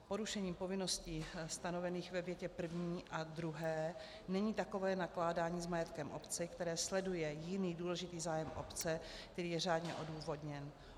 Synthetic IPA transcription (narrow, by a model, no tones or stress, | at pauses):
po̞ɾuʃɛɲiːmpo̞vɪno̞scist̪ano̞vɛniːxvɛvjɛcɛpr̩vɲiːʔad̪ɾuɦɛː | nɛɲiːt̪ako̞vɛːnaklaːdaːɲiːzmajɛt̪kɛmʔo̰pt͡sɪkt̪ɛɾɛːslɛdujɛjɪniːduːlɛʒɪt̪iːzaːjɛmʔo̰pt͡sɛk̚t̪ɛɾiːjɛraːdɲɛʔo̞duːvo̞dɲɛn